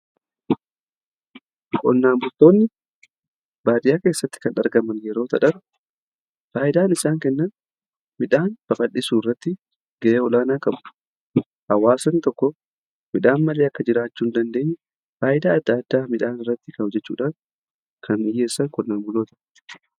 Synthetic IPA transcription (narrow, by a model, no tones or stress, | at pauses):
kʼɔ̰nːaːmbʊlt̪ːo̞ːnːɪ | baːt̪ɪjaːke̞ːsːɐt̪ːɪ̥kɐnɐɾɡɐmɐnjɛɾo̞ːt̪ɐᶑɐɾʊ | faːʔɪd̪aːnɪsaːŋkɛnːɐn | mɪᶑaːnb̥ɐkɐᶑːɪsuːɪrːɐt̪ːɪ | ɡɐʔeːɔlaːnaːkɐm | hɐwaːsɐnt̪ɔkːɔ | mɪᶑaːnmɐleːɐkːɐd͡ʒɪɾaːt͡ʃːuːnd̪ɐnd̪e̞ːɲː | faːʔɪd̪aːɐd̪ːaːd̪ːaːmɪᶑaːnɪrːɐt̪ːɪkɐʊd͡ʒɛt͡ʃːṵːᶑaːn | kʰɐnɪjːeːsːɐŋkɔnːaːmbʊloːt̪ɐ̥